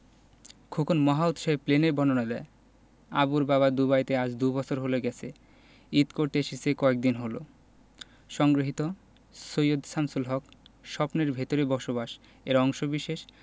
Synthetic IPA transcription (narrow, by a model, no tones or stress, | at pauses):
kʰukʰonmɔɦaut̪ʃɔɦepleneɾbɔnonad̪ɛe | a̰buɾbaβad̪ubajt̪eaʃd̪ubɔt͡ɕʰoɾɦoloɡɛt͡ɕʰe | it̪koɾt̪eeʃesʰekɔek̚d̪inɦolo̰ | ʃɔŋɡɾoɦit̪o | sojod̪samsulɦɔkʃɔpneɾbʱet̪oɾebɔɾʃoβaʃ | eɾɔŋʃobiʃeʃ